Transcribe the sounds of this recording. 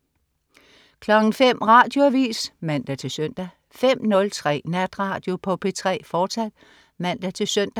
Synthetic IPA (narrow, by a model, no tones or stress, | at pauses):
kʰlɒ̽ɡ̥n̩fem̰ʁɑ̈ːd̥jo̝æʋḭːsmæn̰d̥æt͡sʰe̝lsøn̰d̥æ | fem̰nɔ̽lt͡sʰʁɛ̰ːnæd̥ʁɑ̈ːd̥jo̝pʰɒ̽pʰe̝t͡sʰʁɛ̰ːfɒːsæd̥ | mæn̰d̥æt͡sʰe̝lsøn̰d̥æ